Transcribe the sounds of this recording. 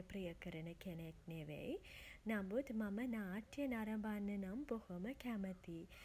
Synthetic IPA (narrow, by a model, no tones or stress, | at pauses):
pɾijɐkɐɾɐnɐkenekneʋḛjnɐmbud̪mɐmɐnaːʈjɐnaːɾɐmbʱaːnːɐnɐmbohɐmɐkʰaːmɐt̪i